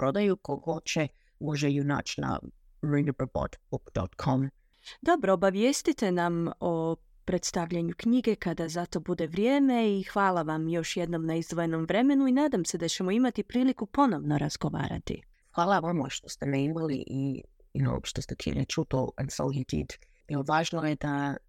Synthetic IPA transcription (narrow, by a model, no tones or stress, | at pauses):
pɾod̪ajukohot͡ʃɛ | woʒɛjuna̰t͡ʃna̰ | ɾindəpəbo̰t̪bukd̪ɔ̰t̪kʰom | d̪o̞bɾo̞ːbaʋje̞st̪it̪e̞namo | pɾe̞t̪st̪aʋʎaɲukɲiɡe̞kad̪azat̪o̞bud̪e̞ʋɾjeːme̞ixʋaːlˠaʋamjo̞ʃjed̪no̞mnaizd̪ʋojeno̞mʋɾe̞me̞nuinaːd̪amse̞d̪at͡ɕe̞moimat̪ipɾiːlikupo̞no̞ʋno̞ɾazɡoʋa̰ːɾa̰t̪ḭ | xwalˠavɔmɔ̰ʃt̪ost̪ənẽɪ̃mwɛlˠḭʔi | jɪ̰no̰pʃt̪ɔsd̪əkʰḭnət͡ʃut̪oə̰̃nso̰lɦit̪ʰḭd | iovaʒnoɛd̪a